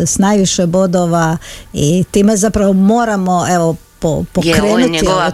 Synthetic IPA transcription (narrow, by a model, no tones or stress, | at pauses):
snajʋiʃɛboːd̪oʋait̪emɛzapɾaʋɔmoːɾamɔɛʋɔpɔ̰pɔkɾeːnut̪i